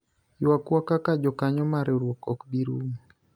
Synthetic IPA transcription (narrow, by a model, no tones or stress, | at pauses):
wakwakakad͡ʒɔkaɲɔmaɾeoɾwɔkɔkbiɾum